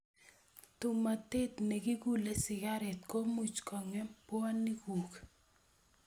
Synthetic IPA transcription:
t̪ʊ˨ma˨t̪e˦t̪ne˨ɡi˦ɡu˦le˦sɪ˨ɡa˦ɾɛ˨t̪̚ko˦mu˨t͡ʃkɔ˨ŋɛ˦mpwa˦nːi˦ɡu˨k

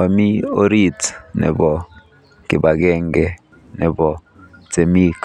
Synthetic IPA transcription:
a˨mi˦o˦ɾi˦tnɛ̰˨bɔ˨ | kɪ˨ba˨ɡɛ˦ŋɡɛ˦ | nɛ˨bɔ˨ | te˨mi˦k

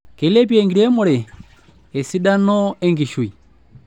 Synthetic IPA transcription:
kɛ˨lɛ˦p̬jɛ˨ŋɡiɾɛ˦mu˨ɾɛː˨ | si˦ɗa˦nɔ˦ɛ˦ŋɡi˨ʃu˨i˨

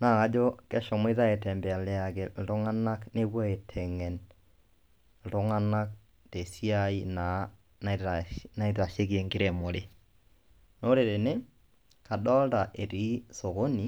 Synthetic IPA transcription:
naː˦˨ka˦d͡ʒo˦kɛ˦ʃɔ˨mo˦i˦ða˦e˨tɛ˨mbɛ˨a˨le˨a˨ke˨l̩˨tʊ˦ŋa˦na˦kne˦bwɔ˦e˨tʰɛ˨ŋɛ˨n | l̩˨tʊ˦ŋa˦na˦k̚ | te˨si˦a˦i˦na˨ | nna˦i˦ta˨ʃe˦kje˨ŋɡi˦ɾe˨mo˨ɾe˦ | no˦ɾe˨ɾe˨ne˦ | ka˨ɗɔ˦lta˨ʔe˨ɾi˨˦so˨ɣo˦ni˨

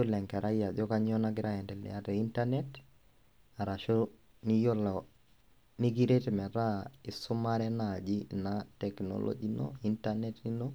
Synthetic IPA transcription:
o˦lɛ˨ŋka˨ɾa˦ja˨ðjɔ˦ka˦ɲɔ˦na˦kɪ˦ɾa˦ɛ˨ndɛ˨lɛ̰˨a˦ɾɛ˨i˦nta˦nɛt | a˨ɾa˨ʃo˦ | ni˦jo˦lɔ˨ | ni˦ɡi˦ɾe˦te˨mɛ˨ɾa˦ɪ˨sʊ˦ma˦ɾɛ˦na˨d͡ʒi˦natɛ˨knɔ̰lɔ̰˦d͡ʒi˦no̰i˦ntanɛ˦ti˦no˦

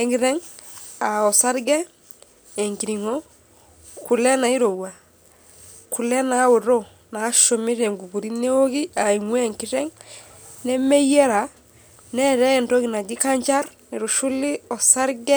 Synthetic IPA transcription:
e˨ŋɡi˦ɾe˦ŋa˨o˨sa˦ɾɡe˦ | e˨ŋki˨ɾi˨ŋo˦ | ku˨le˦na˨i˦ɾo˨wa˨ | ku˨le˦na˦wu˨ɾo˦ | naː˨˦ʃo˨mi˦ɾe˨ŋɡu˨bu˨ɾi˦ne˦o˦ɡi˦a˨i˨ŋwe˦e˨ŋki˦ɾe˦ŋ | ne˦me˦je˦ɾa | ne˦ɾe˦˨nto˦ɡi˨na˨d͡ʒi˦ka˦ɲt͡ʃa˦ɾni˨ɾu˨ʃu˦lːi˦o˨sa˦ɾɡe˦

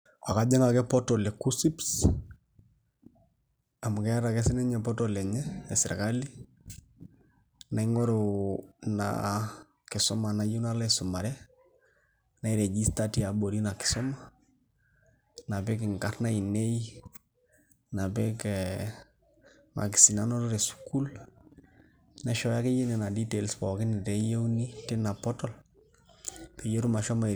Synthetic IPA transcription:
a˨ka˨d͡ʒɛ˦ŋa˨kɛ˦pɔ˦tɔ˨lɛ˨ku˦si˦ps | a˨mʊ˨kɛ˦ɾa˨kɛ˦sɪ˦nɛ˦ɲɛ˨pɔ˦tɔ˨lɛ˨ɲɛ˦ɛ˨sɪ˨ɾka˦li˦ | na˨i˦ŋɔ˦ɾo˨na̰ | kɪ˨sɔ˦ma˨na˦ju˦na˦la˦ɛsʊ˨ma˨ɾɛ˦ | na˨i˦ɾɛ˨d͡ʒi˦sta˦tia˨bo˨ɾi˦na˨kɪ̥˨sɔ˦ma˦ | na˨bɛ˦k̬ɪ˨ŋka˦ɾna˦i˨ne˦j | na˨bɛ˦kɛ | ma̰˨k̬ɪ˨si˨na˦nɔ˦ɾo˦ɾɛ˨su̥ku˦l | na˦ʃɔ˦ja˦ke˦je˦nɛ˨na˨di˦te˨lspɔ˨kɪ˦nɪ˨tɛ˨je˦wni˦te˦na˨pɔ˦tɔ˦l | pe˨jo˦ɾu˦ma˨ʃɔ˦ma˨

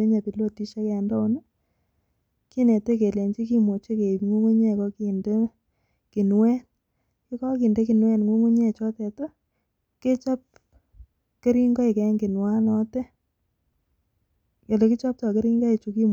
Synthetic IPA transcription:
e˦ɲa˨pi˨lwo˦ti˦ʃe˦kɛ˨ndɔ˦u˦ni˦ | ki˦ne˨te˦ke˨le˨ɲt͡ʃi˦ki˦mo˨t͡ʃe˦ke˨ŋu˦ŋu˦ɲe˦˨kɔ˦ki˨nde˦ | ki˨nwɛ˦n | kɪ˦kɔ˦ki˨nde˦ki˨nwɛ˦nŋo˦ŋu˦ɲe˦˨t͡ʃɔ˦tɛ˨to˦ | ke˦t͡ʃa˦p̚ | ke˦ɾi˦ŋɡɔ˦e˨kɛ˨˦ŋɡɪ˨nwa˦nɔ˦te˦ | ke˨le˨ki˦t͡ʃɔ˦p̚tɔ˨ke˦ɾi˦ŋɡɔ˦i˨t͡ʃu˨ki˦m

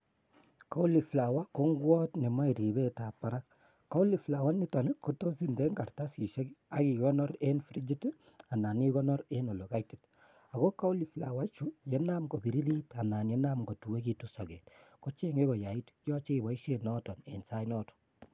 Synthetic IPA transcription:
ka˦u˦li˨fla˨wa˦ko˦ŋɡwɔ˦tne˨ma˦i˨ɾi˨be˦ta˨pa˨ɾa˦kː | a˦u˦li˨fla˨wa˦ni˦tɔ˨ni˦ko˦to˦si˦nde˦ŋɡa˨rta˦si˨ʃe˦ka˨˦ki˨kɔ˦nɔ˦ɾe˦nfɾi˦d͡ʒi˦t | a˨na˨ni˦ɣɔ˦nɔ˦ɾe˦no˨lo˨ka˦iti˨t | a˨ɣɔ˦ka˦u˦li˨fla̰˨wa˦t͡ʃu˦jɛ˦na˦mɡo˨bi˨ɾi˦li˦ta˨naː˨nje˦na˦mɡo˨tu˨we˦ki˨tusɔ˨ɡe˨tko˦t͡ʃe˦ŋe˦ɡɔ˨ja˨i˦tjɔ˦t͡ʃe˦˨ba˨i˦ʃe˨nɔ˦tɔ˨nḛ˨nsa˦jnɔ˦tɔ̥

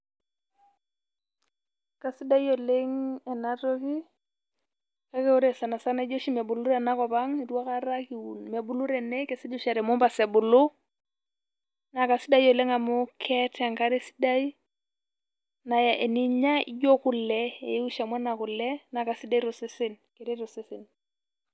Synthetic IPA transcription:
ka˨si˦da˦i˦o˨le˦ŋɛ˨na˦to˦ki˦ | ka˦kɛ˦u˦ɾɛ˨sa˨na˨sa˦na˦d͡ʒo˦ʃi˦mɛ˨bu˨lu˦ɾɛ˨na˦kɔ˨pa˦ŋi˨twa˦ka˦ɾa˦ki˨u˨nme˨bu˨lu˦ɾɛ˨nɛ˦kɛ˨sɛ˦d͡ʒo˦ʃa˨ɾɛ˨mo˦mba˨sɛ˨bʊ˨lʊ˦ | na˨ka˨si˦da˦i˦jo˨le˦ŋa˨mʊ˦kʰɛ˦ta˨ŋka˦ɾe˦si̥˦da˦i˦ | na˨ja˨ʔe˨ni˦ɲa˦ḭ˦d͡ʒo˦ku˦˨lɛ˦ḛ˨˦u˦ʃa˨mwa˦na˨ku˨lɛ˦na˨ka˨si˦da˦i˦ɾo˨sɪ˦sɪ˦n | ke˨ɾe˦ɾo˨si˦sɪ˨n

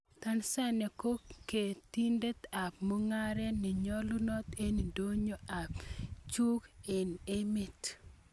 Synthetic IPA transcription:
t̪a˦nsa˦ne˨ko˦kːe˨ti˦nde˦t̪a˨pmo˦ŋa˦ɾɛ˦nɪ˨ɲɔ˦lʊ˦nɔ˦t̪e˦ni˨do˦ɲo˦a˨pt͡ʃu˦ke˨ne˦mi˦˨t

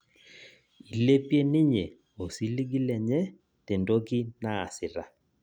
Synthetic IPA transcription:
i˨le˦pje˦nɪ˦ɲe˨ | o˨si˦li˦ɡi˦lɛ˨ɲɛ˦ | te˨ndo˦kɪ˦na˦a̰˨sɪ˨ɾa˨

